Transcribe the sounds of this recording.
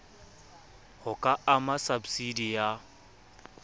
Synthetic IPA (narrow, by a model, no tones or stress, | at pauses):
hʊkʼaamasabsidija